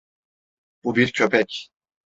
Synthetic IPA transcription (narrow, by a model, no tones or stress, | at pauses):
b̥ubiɾcʰø̞pʰɛc